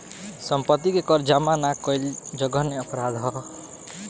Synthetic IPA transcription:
sʌmpʌt̪ːikekʌɾd͡ʒamanakʌjld͡ʒʌɡʌneʌpɾad̪ɦʌ

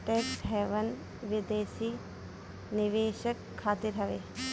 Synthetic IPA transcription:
ʈeːkʈɦɛːʋən | ʋɪd̪eːʃi | nɪʋeːʃəkʰːaːt̪ɪɾɦɐʋeː

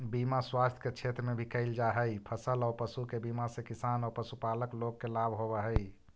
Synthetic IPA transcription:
bimaswast̪ʰket͡ʃʰet̪ɾəmebʱikəɪld͡ʒaɦəjpʰəsəlɔːɾpəsukebimasẽkisanɔːɾpəsupaləkloɡːelabʱɦobɛɦəj

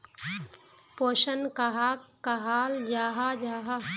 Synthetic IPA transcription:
poːʃənkɐɦaːkːɐɦaːld͡ʒaːɦad͡ʒaːɦa

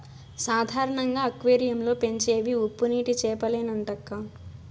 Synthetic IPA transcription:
saːd̪ʱaːɾɐɳɐŋɡaːɐkʋeːɾijɐmlo̞ːpe̞ɲt͡ʃeːʋiupːuniːʈit͡ʃɛːpɐleːnɐɳʈɐkːaː

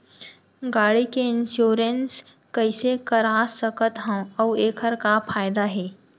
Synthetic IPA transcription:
ɡaːɽikeɪnʃjoːɾənskəɪsekəɾaːsəkət̪ɦɛ̃ɔːeːkʰəɾkafʰaːɪd̪aɦɛː

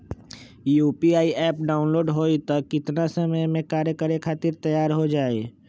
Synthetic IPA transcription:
juːpiaːiʔɛːp̚ɖaːʊnloːɖɦoːit̪ɐkːɪt̪nasɐməjmẽkaːɾjəkəɾekʰaːt̪iɾt̪ɐjaːɾɦod͡ʒaːeː

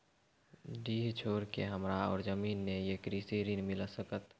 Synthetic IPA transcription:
ɖiːɦt͡ʃʰoːɾkḛɦəmɾaɔ̰ːɾzəmiːnːejekɾisiɾinmɪlasəkət̪

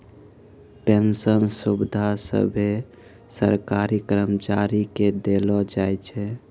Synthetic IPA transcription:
pensənsubd̪ʱasə̰bʱe | sə̰ɾkaɾikɾəmt͡ʃaɾiked̪elɔd͡ʒajt͡ʃʰɛ

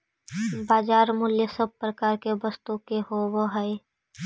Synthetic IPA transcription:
baːd͡ʒaːɾmʊljəsəb̚pɾəkaːɾkebəst̪ukeɦowəɦəe

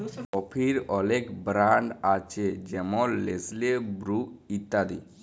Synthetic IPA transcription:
ɔpʰiɾɔlekbɾaɳɖat͡ʃʰed͡ʑɛmɔlːeslebɾuit̪ːad̪i

